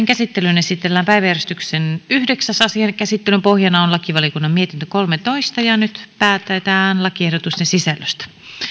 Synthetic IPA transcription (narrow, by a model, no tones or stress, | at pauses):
ŋkæsit̪ːelynesit̪elːæːmpæiʋæjærest̪yksenyhdeksæsɑsiekæsit̪ːelympohjɑnɑonlɑkiʋɑliokunːɑmmiet̪int̪økolmet̪oist̪ɑjɑnyt̪pæːt̪ˑːæt̪æːnlɑkiehdot̪ust̪ensisælːøst̪æ̥